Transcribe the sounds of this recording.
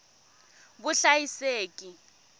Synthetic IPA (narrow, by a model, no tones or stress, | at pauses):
bʊɬajiseːkʼi